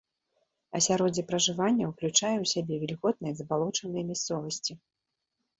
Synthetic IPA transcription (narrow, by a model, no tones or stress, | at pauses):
ɐ̰sʲaɾɔd͡zʲɛpɾɐʐɨvanʲːɐwklʲut͡ʂajɛwsʲabʲɛvʲilʲɣɔt̪̚nɨjɐzɐbalˠɔt͡ʂɐnɨjɐmʲast̪sɔvɐsʲt͡sʲi